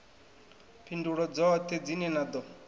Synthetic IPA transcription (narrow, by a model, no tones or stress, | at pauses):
pʰinduɺɔd͡zɔt̪ʰɛd͡zinɛnad̪ɔ